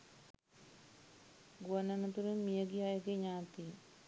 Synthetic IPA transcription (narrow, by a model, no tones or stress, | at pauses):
ɡuananət̪uɾenmijəɡijajəɡeɲaːt̪i